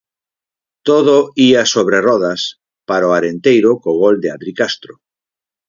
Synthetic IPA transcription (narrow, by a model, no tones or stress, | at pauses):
t̪oðoiasoβ̞ɾerɔðas | paɾoaɾent̪ejɾokoɣ̞old̪eaðɾikast̪ɾo